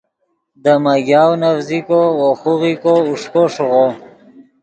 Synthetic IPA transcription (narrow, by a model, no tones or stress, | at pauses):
d̪əmaɡjɑwnavzikowoxuɣikouʂkoʂɣo